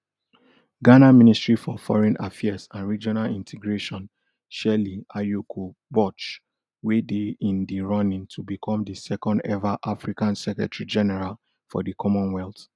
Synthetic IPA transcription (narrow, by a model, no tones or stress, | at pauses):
ɡanamĩnistɹifɔfɔ̰ɹɛ̃nʔa̰fiasãnɹid͡ʒɔnalĩntʰɛɡɹeʃɔ̃n | ʃɛliajukʰobɔt͡ʃ | wedeĩndiɹɔnĩŋtʰubikʰɔ̃mdisɛkɔ̃ndɛvaʔafɹikãnsɛkɹɛ̰tɹid͡ʒɛnɛɹal | fɔ̰dikʰɔmɔ̃nwɛlt